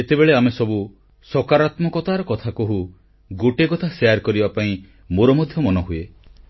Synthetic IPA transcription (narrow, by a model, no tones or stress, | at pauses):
et̪ebeɭeamesɔbu | sɔkaɾat̪mɔkɔt̪aɾɔkɔt̪ʰakoɦu | ɡoʈekɔt̪ʰaseaɾkɔɾibapaĩ | moɾɔmɔd̪ʱjɔmɔnɔɦue